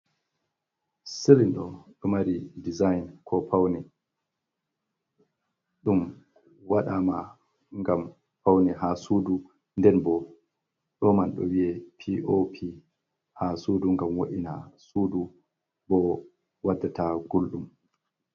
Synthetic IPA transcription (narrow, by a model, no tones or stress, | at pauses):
selinɗɔ̰ɗɔmaɾidizajnkʰɔpawni | ɗum | waɗama | ŋɡam | pawniɦasuːdu | ndɛnbɔ | ɗɔmanɗɔ̰wiɛpʰiʔopʰi | hasuːduŋɡamwo̰ʔina̰suːdu | bɔ | wadːataɡulɗum